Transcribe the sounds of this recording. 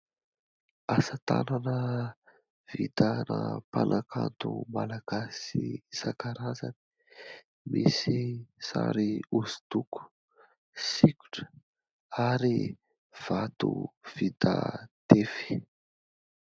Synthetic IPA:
asat̪ananə | v̥it̪anapanʔakʰant̪umalaɡ̥asisakaɾazani̥ | misisaɾiuz̥t̪uku̥ | sikʲu̥ʈ͡ʂə̥ | aɾi | v̥at̪uv̥it̪ad̪̥efi̥

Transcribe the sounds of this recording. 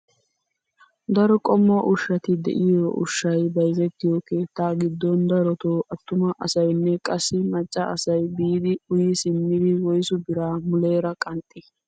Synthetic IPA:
d̪ɐɾɔkʼɔmːɐʔʊʃːɐt̪ɪd̪ɛ̰ʔɪjoʔʊ̰ʃːɐjbɐjzɛt̪ːɪjɔke̞ːt̪ːaːɡɪd̪ːɔnd̪ɐɾɔt̪oːʔɐt̪ːʊmɐʔɐsɐjnːɛkʼɐsːɪmɐt͡ʃʼːɐɐsɐjbiːd̪ɪʊjɪsɪmːɪd̪ɪwɔjsʊbɪɾaːmʊle̞ːɾɐkʼɐnt̪ʼːɪ

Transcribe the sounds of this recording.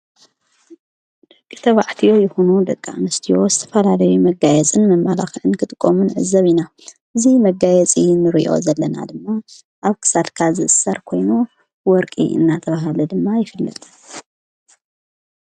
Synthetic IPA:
d̪ɨkʼːɨt̪ʰɐβaʕt̪ʰijo̞jɪxunud̪ɐkʼːamɨst̪ʰijo̞zɨt̪ʰɐfɐlalɐjumɐɡajɛt͡sʼɨnmɐmːalaxʔɨnkʰɨt̪ʼɨkʼːomunʕɨ̰zːɐβina | ʔɨzimɐɡajɛt͡sʼinɨɾiʔo̞̰zɐlːɐna̰d̪ɨmːa | ʔaβkʰɨ̥sat̪kʰazɨʔɨsːaɾkʰo̞jnu | wɔɾkʼḭɨ̰nːat̪ʰɐβaɦalud̪ɨmːajɪfɨlːɐ̰t̪ʼɨ

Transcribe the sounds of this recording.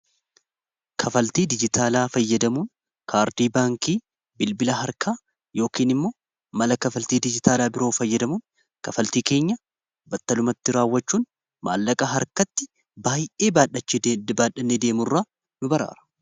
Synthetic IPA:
kʰɐfɐlt̪iːd̪ɪd͡ʒɪt̪aːlaːfɐjːɐd̪ɐmuːn | kʰaːɾd̪iːbaːŋkiː | bɪlbɪlɐɦɐɾkʰaː | jo̞ːkiːnɪmːo̞ː | mɐlɐkɐfɐlt̪iːd̪ɪd͡ʒɪt̪aːlaːbɪɾo̞ːfɐjːɐd̪ɐmuːn | kɐfɐlt̪iːke̞ːɲːɐ | bɐt̪ːɐlʊmɐt̪ːɪɾaːwːɐt͡ʃːuːn | ma̰ːlːɐkʼɐɦɐɾkɐt̪ːɪ | baːjʔe̞ːbaːᶑɐt͡ʃːbaːᶑɐnːeːd̪e̞ːmʊrːaː | nʊbɐɾa̰ːɾɐ̥

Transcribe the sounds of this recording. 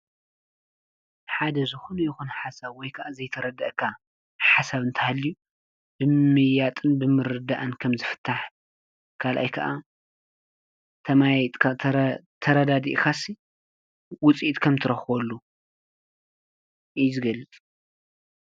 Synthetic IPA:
ħad̪ɐzɨxunjɪxunħasaβwɔjkʰɐʔazɐjt̪ʰɐɾɐd̪ɐʔkʰːa | ħasaβɨnt̪ʰɐhalːiju | b̥ɨmɨjat̪ʼɨnbɨmɨɾɨd̪aʔɨnkʰɐmzɨfɨ̥t̪ʰːaħ | kʰalʔa̰jkʰɐʔa | t̪ʰɐmat̪ʼkʰaɐt̪ʰɐɾɐd̪ad̪ḭʔkasi | wʊt͡sʼiit̪ʼkʰɐmt̪ʰɨɾɐxwolːu | ʔɨzɨɡɐlːɨt͡sʼ

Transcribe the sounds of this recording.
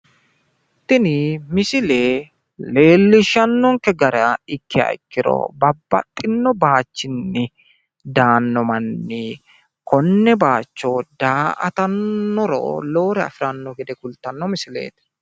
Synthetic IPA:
t̪ːɪnimɪsɪleː | le̞ːlːɪʃɐnːɔŋkɛɡɐɾɐɪkːɪɐ̰ɪ̰kːɪɾɔ̰bɐbːɐ̰t̪ʼːɪnːɔbaːt͡ʃːɪnːɪ | d̪aːnːɔmɐnːi | kʰɔnːɛbaːt͡ʃːɔd̪aːʔɐ̰t̪ɐnːɔɾo̰ːlo̞ːɾɛɐ̰fɪɾɐnːɔɡɛd̪ɛkʊlt̪ɐnːɔmɪsɪlḛːt̪

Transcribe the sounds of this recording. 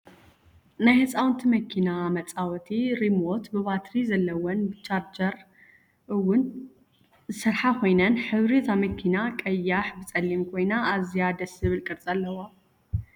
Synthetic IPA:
najhɨsʼawnt̪ʰimɐkʰinamɐt͡sʼawɔt̪ʰiɾimot̪bɨβat̪ɾizɐlːɐwɐnbɨt͡ʃʰaɾd͡ʒɐɾ | ʔɨwːʊn | zɨsɨɾħakʰo̞jnɐnħɨβɾizʰamɐkʰinakʼɐjːaħbɨt͡sʼɐlːimkʰo̞jnaːzijad̪ɐsɨβɨlkʼɨɾt͡sʼalːɐwa

